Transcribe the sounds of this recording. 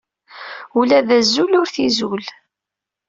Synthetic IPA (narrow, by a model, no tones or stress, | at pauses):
ulæðæzːulʊɾθizul